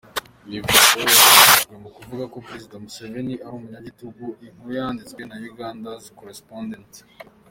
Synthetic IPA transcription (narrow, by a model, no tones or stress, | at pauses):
βivuaoazataʒɡwe̞mukuvuɡako̞pɾe̞zidamuseveniaɾumuɲaɟituɡuiŋ̥hujaːndit͡swe̞najuɡaːndazikoɾespondent